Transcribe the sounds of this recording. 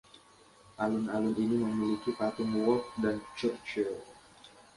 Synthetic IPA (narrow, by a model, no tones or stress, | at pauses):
ʔalʊnalʊniniməmilikipat̪umwɔk̚dant͡ʃərt͡ʃə